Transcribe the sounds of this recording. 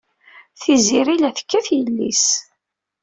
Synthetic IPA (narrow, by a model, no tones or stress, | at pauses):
θiziɾilæθə̥kːæθjəlːḭs